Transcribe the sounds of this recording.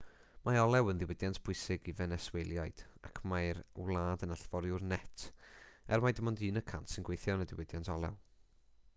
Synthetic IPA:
maɔlˠɛwənðɪwɪdjantʰb̥ʊɨsɪɡivɛnɛswejlˠjajd̥a̰kʰmajɾwlˠaːdənaɬvɔɾjʊrnɛtʰɛ̰rmajdəmɔndɨːnəkʰantsɪnɡwejθjɔnədɪwɪdjantʰɔlˠɛ̰w

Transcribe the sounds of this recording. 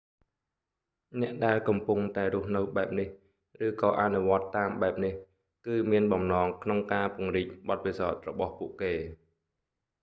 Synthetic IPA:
nɛ̆əʔɗaɛlkɑmpuŋt̪aɛɾʊ̆əhnɨwɓaɛp̚nih | rɨːkɑːʔanuʋŏət̪ːaːmɓaɛp̚nih | kɨːmiənɓɑmnɑːŋkʰnoŋkaːpʊəŋriːc̚ɓɑt̪̚pisaɔt̪̚rɔɓɑhpuəʔkeː

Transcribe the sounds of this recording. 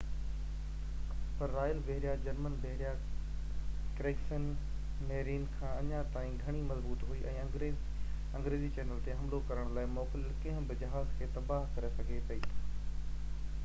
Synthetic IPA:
pɐɾːaːjəlbeɦɾjad͡ʑɐɾmənbeɦɾija | kɾeːksən | meːɾiːnkʰãːɐɲãt̪aːĩɡʱɐɽ̃imɐzbuːt̪ɦuiʔɛ̰̃ː | e | ɐ̃ŋɡɾeːzit͡ɕeːnəlt̪eɦɐmlokɐɾəɽ̃laːɪmɔːkɪləlkɐ̃ɦʊ̃bɪd͡ʑɐɦaːzkʰeːt̪ɐbaːɦkɐɾesɐɡʱepɐiː

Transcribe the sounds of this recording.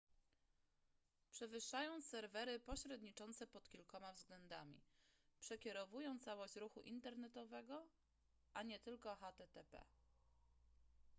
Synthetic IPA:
pʂɛvɘʂːajɔ̃w̃sɛɾvɛɾɘpɔɕɾɛd̪ɲit͡ʂɔnt̪sɛpɔt̪kʲilkɔmavzɡlɛnd̪amʲḭpʂɛkʲɛɾɔvujɔw̃t̪sawɔɕt͡ɕɾuxuʔint̪ɛɾnɛt̪ɔvɛɡɔ | ʔaɲɛt̪ɘlkɔxat̪ɛt̪ɛpɛ̰

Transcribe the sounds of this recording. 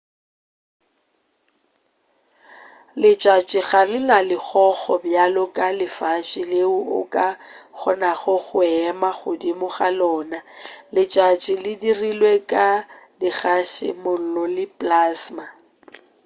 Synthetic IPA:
lɪt͡ʃʼat͡ʃʼɪɣarɪnalɪχʰɔχɔbjalɔkʼalɪfat͡ʃʼɪleʊʊ̰kʼak͡xɔnaɣʊɣʊɛmaχʊdimʊχalɔːnalɪt͡ʃʼat͡ʃʼɪlɪdirilwekʼadɪɣaʃɪ̰mʊl̩lɔlɪpʼlaːsma

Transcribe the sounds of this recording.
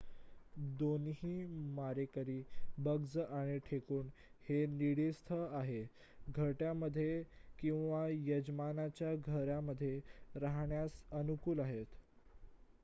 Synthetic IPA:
d̪onɦiːmaɾekəɾiːbəɡd͡zəʔaɽ̃iʈʰekuːnheniɽist̪ʰəaɦe | ɡʱəʈjaməd̪ʱːjekĩw̃ʋajəd͡ʑmanat͡ɕjaɡʱəɾjaməd̪ʱːjeɾaɦɳjasənukuːlaɦet̪

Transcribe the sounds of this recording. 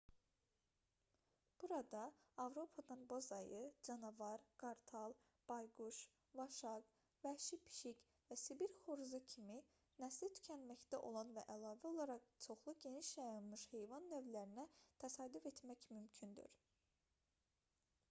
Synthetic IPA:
b̥uɾɑd̪ɑːvɾo̞pʰɑd̪ɑnbozɑjɯd͡ʒɑnɑvɑɾɡ̥ɑɾt̪ʰɑlˠ | b̥ɑjɡuʃ | vɑʃɑɡ | væʃipʰi̥ʃic | væsibiɾχoɾzɯcʰimi | næslit̪ʰy̥cʰænmæçd̪æʔo̞̰lˠɑnvæ̰ʔælˠɑːvæolˠɑɾɑqt͡ʃʰo̞χlˠuɟe̞niʃjɑjɑnmɯʃhe̞jvɑnːøvlæɾinæt̪ʰæsɑːd̪yfe̞t̪mæcmymcʰynd̪y̰ɾ

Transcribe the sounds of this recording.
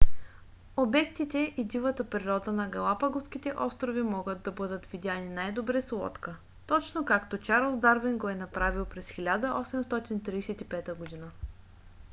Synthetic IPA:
obɛkt̪it̪ɛʔid̪ivət̪əpɾiɾɔd̪ənɐɡɐlˠapɐɡofskit̪ɛʔɔst̪ɾovimɔɡəd̪̚d̪ːɐbɤd̪ət̪vid̪ʲjaninajd̪obɾɛslˠɔ̰t̪kə | t̪ɔt͡ʃnokakt̪ot͡ʃaɾəlˠzd̪aɾviŋɡoɛnɐpɾavilˠpɾɛsxʲilʲad̪əʔɔsɛmst̪ɔt̪int̪ɾiːsɛt̪ipɛt̪əɡod̪inə

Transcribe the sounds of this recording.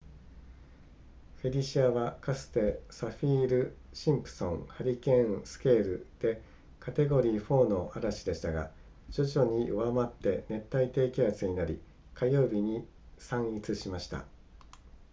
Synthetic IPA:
ɸe̞ɾʲiɕiaβakasɨ̥t̪e̞saɸʲiːɾɯ̟ | ɕĩmpɯ̟̥sõ̞ŋhaɾʲikẽ̞sɨ̥ke̞ːɾɯ̟d̪̥e̞ | kat̪e̞ɡo̞ɾʲiːɸo̞ːno̞ːaɾaɕid̪e̞ɕi̥t̪aɡa̰ | d͡ʑo̞ʑo̞ɲ̟iɯ̟βamat̪ːe̞ne̞t̪ːait̪e̞ːkʲiat͡sɨɲ̟inaɾʲḭ | kajo̞ːbʲiɲ̟i | sãɰ̃it͡sɨɕimaɕi̥t̪a̰

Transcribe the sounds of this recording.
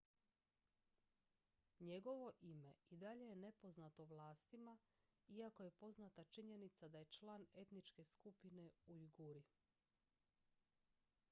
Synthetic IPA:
ɲe̞ɡo̞ʋo̞ʔime̞id̪aʎe̞jene̞po̞znat̪o̞ʋlˠaːst̪ima | iako̞je̞po̞znat̪at͡ʃiɲe̞nit̪sad̪aje̞t͡ʃlaːne̞t̪nit͡ʃke̞skupine̞ujiɡuɾi

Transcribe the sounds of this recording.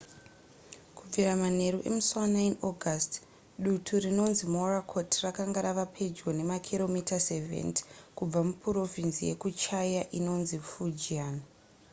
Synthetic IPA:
kub͡viɾamane̞ɾuʔe̞̰muswanainoɡʱast | ɗutʰurino̞nzimorakʰo̞tʰrakaŋɡaɾaʋapʰe̞d͡ʒɡo̞ne̞makʰilo̞mitasevḛntkub͡vamupuro̞vinsije̞̰kut͡ʃajaʔino̞nzifud͡ʒian

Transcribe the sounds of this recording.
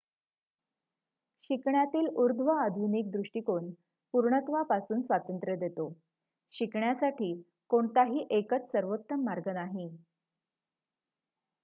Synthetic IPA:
ɕikɳjat̪iːluɾd̪ʱʋəad̪ʱunik̚d̪ɾuʂʈikoɳ | puɾɳət̪ʋapasuːnsʋat̪ənt̪ɾjəd̪et̪o | ɕikɳjasaʈʰiː | koɳt̪aɦiːʔekət͡ssəɾʋot̪ːəmːaɾɡənaɦi

